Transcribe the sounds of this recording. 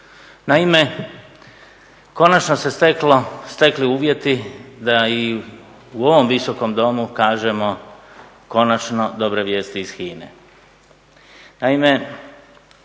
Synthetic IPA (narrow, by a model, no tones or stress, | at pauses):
naime̞ | ko̞nat͡ʃnose̞st̪eklost̪e̞kliuːʋje̞t̪id̪ai | uo̞ʋo̞mʋiso̞ko̞md̪o̞mukaːʒe̞mo̞ | ko̞nat͡ʃno̞d̪obɾoʋjeːst̪iːz̥xiːnḛ | naime̞